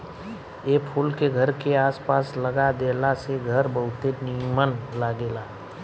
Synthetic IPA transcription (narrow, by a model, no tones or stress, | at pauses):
eːpʰulkeɡʱəɾkeaːspaːsləɡad̪eːlaseɡʱəɾbəɦʊt̪enimənlaːɡeːlaː